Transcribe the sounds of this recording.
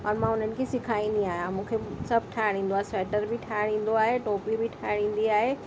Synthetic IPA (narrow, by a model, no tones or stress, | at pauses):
ɔːɾmãʊn̤ənɪ̆kʰesɪkʰaːinĩaːɦijãmũːkʰesɐb̚ʱʈʰaːɽ̤̃ĩːnd̪oaːɦesɛːʈəɾbʱɪʈʰaːɪɽ̤ĩːn̆d̪oaːɦeʈoːpibʱiʈʰaːɽ̤̃ĩːn̆d̪iaːɦe